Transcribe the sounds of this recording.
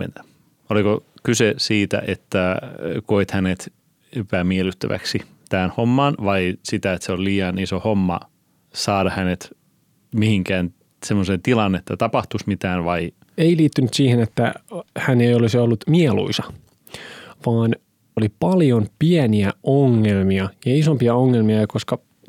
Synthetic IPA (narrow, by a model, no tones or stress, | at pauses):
ḛn | olikokysesiːt̪æ̰ʔet̪ːækoit̪hænet̪ | epæmielyt̪ːæʋæ̰ksi | t̪æænhomːɑːnʋɑisit̪æet̪seolliːjɑnisohomːɑ̰ | sɑːdɑhænet̪ | mihiŋkæːn | semːosent̪ilɑnːet̪ːæt̪ɑpɑht̪usmit̪æːnʋɑi | eiliːt̪ːynyt̪siːhenet̪ːæ̰hænejolisiolːut̪mielṵisɑ | ʋɑːn | olipɑljompiæniæʔoŋːelmiɑjɑisompiɑoŋːelmiɑkoskɑ